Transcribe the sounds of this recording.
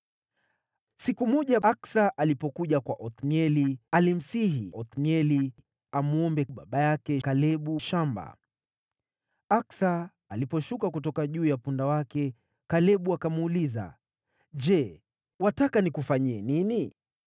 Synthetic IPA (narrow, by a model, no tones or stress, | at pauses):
sikumɔʄaaksaʔalipɔkuʄakwaʔɔt̪niɛlialim̩siɦiɔt̪niɛli | amuɔmbɛɓaɓajakɛkalɛɓuʃamba̰ | aksaː | lipɔʃukakutɔkaʄuːjapundawakɛ | kalɛɓuakamuuːliza̰ | d͡ʒɛ | watakanikufaɲiɛnini